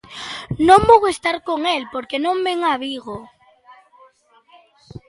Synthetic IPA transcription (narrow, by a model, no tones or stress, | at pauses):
nõmboɣoest̪aɾkoŋelpoɾkenõmbeŋaβiɣo